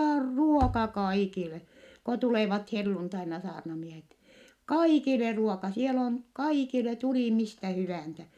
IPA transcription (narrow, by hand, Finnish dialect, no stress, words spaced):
or ruokɑ kɑikile ko tuleˑʋɑt helːuntɑinɑ sɑːrnɑmiehet kɑikile ruokɑ sielæ on kɑikile tuliˑ mistæ hyʋæˑnsæ